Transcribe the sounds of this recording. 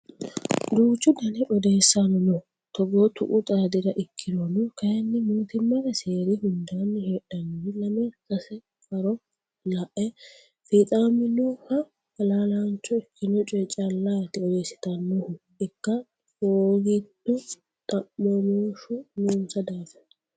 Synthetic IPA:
d̪uːt͡ʃːʊd̪ɐnɛʔɔd̪eːsːanɔnɔ | t̪ɔɡɔt̪ʊ̰ʔʊt̪ʼad̪ɪɾɐʔɪkʰːɪd̪onʊkɐjɐnːɪmuːt̪ɪmːɐɾɛse̞ːɾɪhʊnd̪aːnːɪheːᶑɐnɪlɐmɛkɐsɛ | kʼɐɾɔ | lɐʔɛ | fit̪ʼaːmɪnɔhɐ | ɐlaːlant͡ʃːɔɪkʰːɪnɔt͡ʃʼɛt͡ʃʼɐlːaːt̪ɪɔd̪e̞ːsːɪ̥t̪ɐnːɔhʊ | ɪkːɐ | oːɡɪt̪ːʊ | t̪ʼɐmːɔnoːʃʊnuːnsɐd̪aːfɛ̥

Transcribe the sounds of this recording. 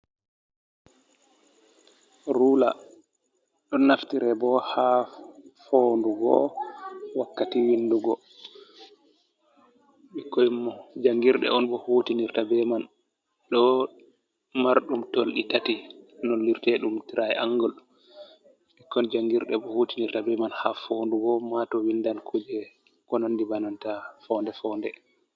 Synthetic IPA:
ɾuːla̰ | ɗɔnaftiɾɛbɔha | foːnduɡɔ̰ | wakːatiwinːduɡɔ | ɓikːɔjimːɔd͡ʒaŋɡiɾɗɛ̰ɔnbɔhoːtiniɾtabɛman | ɗɔ | maɾɗumtolɗitatinɔnliɾtɛɗumtiɾʔajɛʔaŋɡɔl | ɓikːɔnd͡ʒaŋɡiɾɗɛbɔhoːtiniɾtabɛmanhafoːnduɡɔmatɔwindankʰod͡ʒɛ | kɔnandibanantafɔndɛfɔndɛ

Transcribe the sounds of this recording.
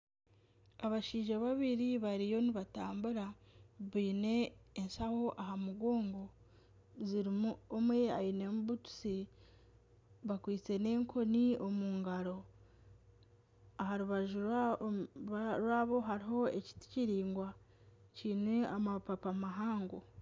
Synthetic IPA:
aβaʃiːʒaβaβiɾiβaɾijo̞niβataːmbuɾaβiːne̞ːnsaho̞ʔahamuɡo̞ːŋɡo̞ | ziɾiomwe̞a̰inemuβutu̥si | βakwiːt͡se̞ne̞ːŋkʰo̞nio̞muːŋɡaɾo̞ | ahaɾuβaʒu | ɾwaːβo̞ɦaɾiɦo̞ḛci̥ti̥ciɾiːŋɡwa | ciːneamapapamaɦaːŋɡo

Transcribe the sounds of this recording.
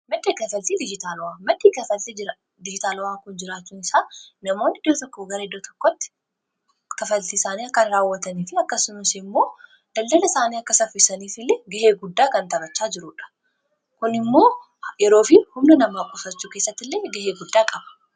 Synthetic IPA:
mɐd̪ːeːkɐfɐlt̪iːd̪ɪd͡ʒɪt̪aːlɔwaːmɐd̪ːiːkɐfɐlt̪e | d̪ɪd͡ʒɪt̪aːlɔwaːkʊnd͡ʒɪɾaːt͡ʃːuːnɪsaːnɐmo̞ːnːɪd̪oːt̪ɔkːoɡɐɾɐɛd̪ːoːt̪ɔ̥kːɔt̪ːɪ̥ | kɐfɐlt̪iːsaːniːɐkːɐnɪɾaːwːɐt̪ɐniːfɪɐkːɐsɪnʊsɪmːo̞ː | d̪̥ɐld̪ɐlɐɪsaːniːɐkːɐsɐfɪsɐniːfɪlːeɡɐheːɡʊd̪ːaːkɐnt̪ɐbɐt͡ʃːaːd͡ʒɪɾʊːᶑɐ̥ | kʊnɪmːo̞ː | jɛɾo̞ːfɪhʊmnɐnɐmaːkʼʊfɐt͡ʃːuːkeːsːɐt̪ːɪlːeːɡɐheːɡʊd̪ːaːkʼɐbɐ̥

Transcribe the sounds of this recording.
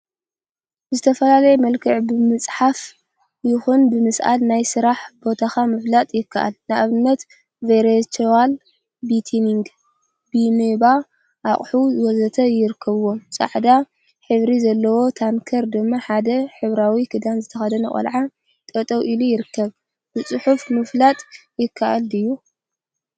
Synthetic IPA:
zɨt̪ʰɐfɐlalɐjɛmɐlkʰɨʕbɨmɨt͡sʼħaf | jɪxunbɨmɨsʔa̰lnajsɨɾaħbo̞t̪ʰaxamɨflat̪ʼjɪkʰːaʔa̰lnaʔaβɨnːɐt̪ | veɾet͡ʃʰewal | bit̪ʰiniŋɡ | bineba | ʔaχʼħuzɨwɔzɐt̪ʰɐjɪɾɨkʰːɐβwomt͡sʼa̰ʕd̪a | ħɨβɾizɐlːɐwo̞t̪ʰankʰɐɾd̪ɨmːaħad̪ɐħɨβɾawikʰɨd̪anzɨt̪ʰɐxɐd̪ɐnɨ̰χʼɐ̰lʕa | t̪ʼɐt̪ʼɐwʔilujɪɾɨkːɐβ | b̥ɨt͡sʼɨħufmɨflat̪ʼjɪkʰːaʔalɨjːu

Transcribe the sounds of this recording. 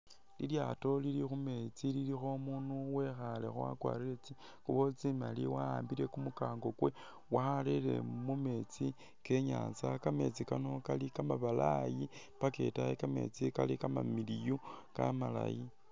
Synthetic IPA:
liljato̞lilixume̞t͡sililixo̞munuwe̞xale̞̰xowa̰kwa̰ːɾiet͡si | kuβo̞t͡simaliwaaːmbiɾe̞kumukaːŋɡo̞kwe | waalele̞̰mume̞t͡si | ke̞ɲa̰ːnt͡sakame̞t͡sikano̞kalikamaβalaji | pake̞̰tajekame̞̰t͡sikalikama̰milijuka̰mala̰ji

